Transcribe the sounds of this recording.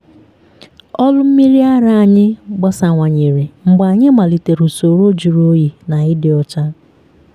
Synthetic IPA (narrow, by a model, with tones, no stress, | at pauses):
ɔ˦lʊ˦m̩˦mi˦ɾi˦a˦ɾa˦a˨ɲɪ˦ɡ͡bɔ˦sa˨ŋʷa˨ɲe˨ɾi˨ŋ͡m̩˨ɡ͡ba˨ɲɪ˦ma˨li˨te˨ɾu˨so˨ɾo˦d͡ʒu˨ɾo˦ji˨na˨ɪ˦dɪ˨ɔ˦t͡ʃa˦